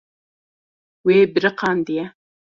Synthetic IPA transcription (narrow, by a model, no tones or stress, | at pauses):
weːbɾɨqɑːnd̪ijɛ